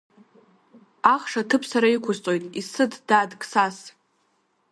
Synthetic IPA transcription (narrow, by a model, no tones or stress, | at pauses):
aχʂatʰɨpʰsaɾaikʷʰʊzt͡sʼo̞jtʼisɨddaːdkʼsas